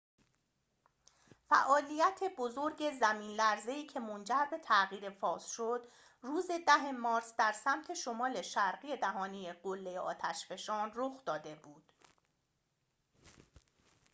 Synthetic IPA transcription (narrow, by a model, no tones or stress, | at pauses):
fæ̰ʔɒːlijæt̪ʰe̞bo̞zo̞ɾɟe̞zæmiːnlæɾze̞iːcʰe̞mond͡ʒæɾbe̞t̪ʰæɣiːɾe̞fɒːsʃo̞d̪ | ruːze̞d̪æɦe̞mɒːɾsd̪æɾsæmt̪ʰe̞ʃo̞mɒːle̞ʃæɾɣije̞d̪æɦɒːnijeɢolːejeʔɒ̰ːt̪ʰæʃfe̞ʃɒːnroxd̪ɒːd̪e̞buːd̪̥